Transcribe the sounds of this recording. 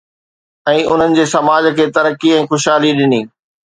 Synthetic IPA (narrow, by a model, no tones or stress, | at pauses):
ɛ̃ːʊ̰n̤ənɪ̆d͡ʑeːsɐmaːd͡ʑ̆kʰeːt̪ɐɾəkːiɛ̃ːxʊʃɦaːliɗɪniː